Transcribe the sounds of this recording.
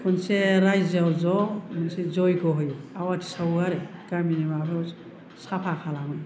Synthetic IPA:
kʰunseɾajzawzɔmunsezɔjkɔɦɔjawatʰi̥sauaɾɛkaminemapʰe | sapʰakʰalamɯj

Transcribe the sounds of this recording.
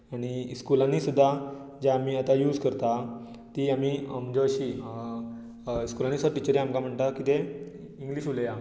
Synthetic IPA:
aɽ̃iskulãnːiːsud̪ʱːa | d͡ʑaamiːat̪ajuːd͡zkəɾt̪a | t̪iamiːm̤əɳd͡ʑeəɕiː | skulãnːiːsud̪ʱaʈit͡ɕəɾjaamkam̤əɳt̪akit̪e | iŋɡliːɕuleja

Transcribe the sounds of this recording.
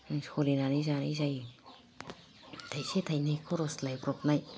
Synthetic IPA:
skʰolinanizanijzaj | t̪ʰajset̪ʰajnajkʰoɾoslajbɾɔp̚naj

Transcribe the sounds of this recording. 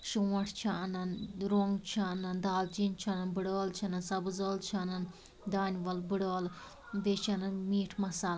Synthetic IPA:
ʃuːɐʈʰt͡ʃʰanɐnɾoŋɡt͡ʃʰanɐnd̪aːlt͡ʃint͡ʃʰɐnɐnbɨɽəːlt͡ʃʰɐnɐnsɐbɨzoːlt͡ʃʰɐnɐn | d̪aːnʲʋɐlbɨɽoːl | ʋet͡ʃʰɐnɐnmiːʈʰmɐsaːl

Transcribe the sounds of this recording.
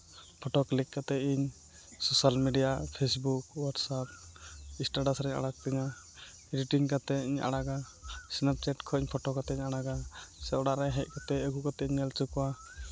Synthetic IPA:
pʰɔʈɔklikːat̪ɛʔiɲ | sɔsalmiɖijapʰesbukwaʈsap̚ĩsʈaɖasɾɛɲa̰ɽak̚t̪ɛɲa | ɾiʈiŋkat̪ɛiɲʔa̰ɽaɡa | snap̚t͡ʃɛʈkʰɔiɲpʰɔʈɔkat̪ɛɲaɽaɡasɛɔɽaʔɾɛɦɛc̚ˀkat̪ɛəɡukat̪ɛiɲɛlt͡ʃukwa

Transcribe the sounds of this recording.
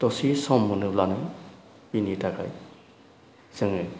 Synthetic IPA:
tɔsisɔmːunɯlanɯ | pinitakaj | z̥ɯŋɯj

